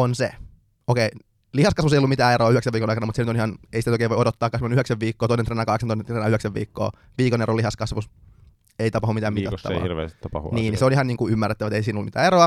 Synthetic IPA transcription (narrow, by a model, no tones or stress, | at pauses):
onsḛ | okei | lihɑskɑsʋusejolːumit̪æːeɾoɑyheksæʋiːkonɑˑikɑnɑmut̪senyt̪onihɑnḛisit̪nt̪oikeːʋojodot̪ːɑːkːɑsmonyheksæʋʋiːkːoːt̪oinent̪eːnækɑheksɑnt̪oisnent̪reːnɑyheksæʋʋḭːkːo̰ː | ʋiːkonerolihɑskɑsʋus | eit̪ɑpɑhumit̪æːmit̪æt̪ːɑ̰hirʋḛːst̪i̥t̪ːɑpɑ̰hṵniːnniseoniɦhɑniːŋkuymːærːet̪ːæʋæt̪eisiːnolːumit̪æːeɾoɑ